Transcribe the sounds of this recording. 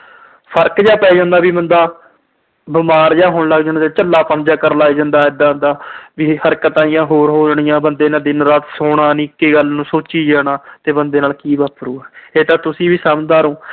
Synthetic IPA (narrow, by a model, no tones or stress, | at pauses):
pʰəɾkd͡ʒaːpɛːd͡ʒãːnd̪aːʋiːbənd̪aː | bɪmaːɾd͡ʒaːɦoːɳləaɡd͡ʒaːnaaːt͡ʃəlːaːpənd͡ʒaːkəɾlaːid͡ʒãːnd̪aːɪd̪aːnd̪aːʋiːhəɾkət̪aːɪjãːɦoːɾɦoːd͡ʒɳɪjãːbənd̪eːnaːd̪ɪnɾaːt̪soːɽaːnĩːkːeːɡəlnũːsoːt͡ʃiːd͡ʒaːɽ̃aːt̪eːbənd̪eːnaːlkiːbəːpɾuːɛːeːt̪ãːt̪ʊsĩːʋiːsaːmd̪aːɾõː